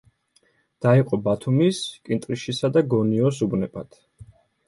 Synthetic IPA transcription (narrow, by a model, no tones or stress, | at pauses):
d̪̥aiqʼɔbat̪ʰumiskʼint̪ʼɾiʃisad̪aɡɔniɔsubnɛba̰t̪ʰ